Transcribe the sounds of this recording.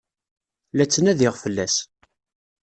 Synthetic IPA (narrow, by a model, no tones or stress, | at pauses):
læt͡sːənæðɪʁfəlːæs